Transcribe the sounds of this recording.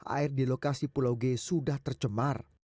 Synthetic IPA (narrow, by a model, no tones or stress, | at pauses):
ʔa̰ɪrdilokasipulawɡesudaht̪ərt͡ʃəmar